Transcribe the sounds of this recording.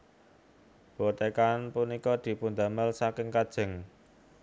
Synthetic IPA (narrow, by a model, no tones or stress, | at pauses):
b̥ot̪ekanpunikɔd̪̥i̤pund̪a̤məlsakɪŋkad̥ʒ̥ɪ̤ŋ